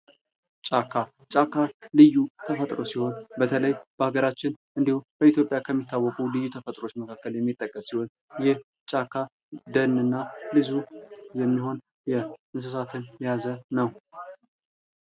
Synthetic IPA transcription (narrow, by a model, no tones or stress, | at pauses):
t͡ʃʼakʰːa | t͡ʃʼakʰːalɨjːut̪ʰəfət̪ʼɾo̞siho̞nbət̪ʰələjb̥əhaɡəɾat͡ʃːɪnʔɨnd̪ihubəit̪jo̞pʼjakʰəmːit̪ʰːawːɔkʼulɨjːut̪ʰəfət̪ʼɾo̞t͡ʃːməkʰakːəljɛmːit̪ʼːəkʼːəsːiho̞n | jɛh | t͡ʃʼakʰːa | d̪ənːɨnːalɨzujɛmːiho̞n | jɛʔɨns̬ɨsat̪ʰɨnjɛjazənəw